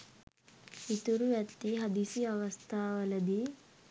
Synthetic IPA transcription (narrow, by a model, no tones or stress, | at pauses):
it̪uɾuʋjɐt̪ːiɦɐd̪isiɐʋɐst̪ʰaːʋɐlɐd̪i